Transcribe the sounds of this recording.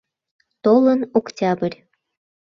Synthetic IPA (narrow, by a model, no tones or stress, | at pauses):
t̪olə̆noktʲɑbə̆rʲ